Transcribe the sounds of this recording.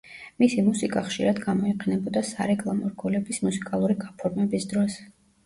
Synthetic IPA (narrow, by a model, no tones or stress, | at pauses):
misimusikʼaχʃḭɾad̪ɡamɔiqʼɛnɛbɔd̪asaɾɛkʼlˠamɔɾɡɔlɛbismusikʼalˠuɾiɡapʰɔɾmɛbisd̪ɾɔs